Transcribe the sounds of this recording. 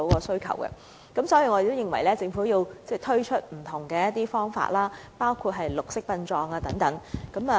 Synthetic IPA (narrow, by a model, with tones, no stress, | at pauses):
o˨˧˥wkɔː˧sɵ˥ɥkʰɐ̰˨˩wkɛ̰˧ | kɐ˨˥msɔː˨˥jiː˧ŋɔː˨˧e˨t̪ːo˥wjɪ˨ŋwɐ˨˩jlɛː˥t͡sɪ˧ŋfu˨˥jiː˧wt͡sɛː˥˩t̪ʰɵ˥ɥt͡ʃʰɵ˥t̚m̩˨˩t̪ʰʊ˨˩ŋkɛː˧jɐ˥t̪iː˥fɔː˥ŋfa̰ː˧t̚laː˥paː˥wkʰuː˧t̚ɦɐ˨jlʊ˨k̚sɪ˥k̚pɐ˧nt͡ʃɔː˧ŋaː˧t̪ɐ˨˥ŋt̪ɐ˨˥ŋkɐ˨˥ma˨˩